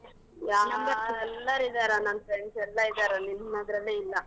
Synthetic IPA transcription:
jaːɡaɾɛlːɐɾid̪aːɾanɐnpensɛlːɐid̪aɾɐninnad̪ɾɐlːeilːɐ

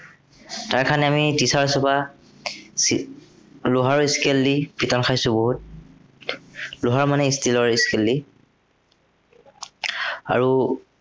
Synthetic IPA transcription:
taɹkʰanɛamitisaɹsɔba | lʊɦaɹiskelːipitankʰajsʊboɦut̚ | lʊɦaɹmanɛistilɔɹiskelːi | a̰ɹu

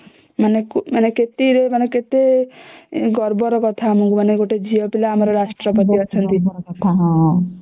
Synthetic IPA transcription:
manekmaneket̪iɾemaneket̪e | ɡɔɾbɔɾɔkɔt̪ʰaːmɔŋkumaneɡoʈed͡ʒijɔpilaːmɔɾɔɾasʈɾɔpɔt̪iɔt͡ʃʰɔnt̪isɔɾɔkɔt̪ʰaɦɔ̃ɦ

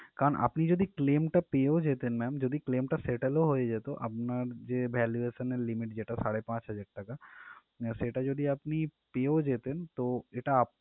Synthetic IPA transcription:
kaɾonʔa̰pnid͡ʒod̪ʱiklemʈapeod͡ʒet̪enmɛmd͡ʒod̪ʱikleːmʈaseʈeloɦoed͡ʒet̪oʔa̰pnaɾd͡ʒebʱɛluesənelimiʈd͡ʑeʈasaɽepãt͡ʃɦəd͡ʒaɽʈaka | ʃeʈad͡ʒod̪ʱiapnipeod͡ʒet̪ent̪oeʈaːp

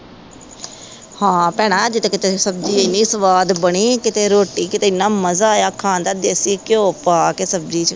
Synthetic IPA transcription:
hãːpɛːɽ̃ãːd͡ʒɪt̪ekɪt̪esəb̚d͡ʒiːɪnːiːsəʋaːd̪bəɳiːkɪt̪eːɾoːʈiːkɪt̪eːɪnːaːməzaːjaːkʰãːnd̪aːd̪eːsiːkõːpaːkesəb̚d͡ʒiːt͡ʃ

